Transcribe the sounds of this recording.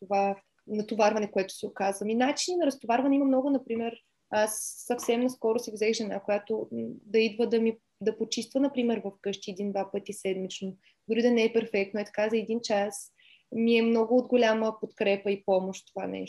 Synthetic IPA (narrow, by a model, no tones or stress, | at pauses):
t̪ova | nɐt̪ovaɾvɐnɛkoɛt̪ʊ̥sɛokazvɐminat͡ʃininɐɾɐst̪ovaɾvɐnɛimɐmnɔɡʊnɐpɾimɛɾ | asːɐfsɛmnɐskɔɾʊsɛvzɛxʒɛnakojat̪od̪ɐid̪vəd̪ɐmi | d̪ɐpot͡ʃist̪vənɐpɾimɛɾvɐfkɤʃt̪iɛd̪ind̪vapɤt̪isɛd̪mit͡ʃno | d̪ʊɾid̪ɐnɛɛpɛɾfɛk̚t̪noɛt̪ɐ̥kazɐɛd̪int͡ʃas | miɛmnɔɡʊod̪ɡolʲaməpot̪kɾɛpəipɔmoʃt̪t̪ova̰nɛ̰ʃ